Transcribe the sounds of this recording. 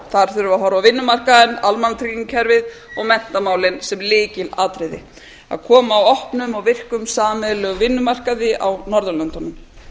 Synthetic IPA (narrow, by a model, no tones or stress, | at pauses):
θaɾ̥θʏɾʏvaɦɔɾawvɪnːʏmar̥kaðɪnalmant̪ʰɾikiŋcʰɛɾvɪð | ɔɣmɛn̥t̪amaːwlɪnsɛmlɪːcɪlaːt̪ɾɪðɪ̰ | a̰ðkʰɔːmaːwɔhpnʏmɔɣvɪr̥kʏmsaːmɛlœɣvɪnːʏmar̥kaðɪawnɔɾðʏlœnt̪ɔnʏm